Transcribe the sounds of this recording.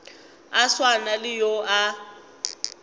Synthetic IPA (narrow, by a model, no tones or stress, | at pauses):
aswanalɪjoʔa